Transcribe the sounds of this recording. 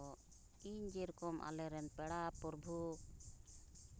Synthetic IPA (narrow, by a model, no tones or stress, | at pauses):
iɲd͡ʒɛɾkɔmʔa̰lɛɾɛnpɛɽapɔɾbʱu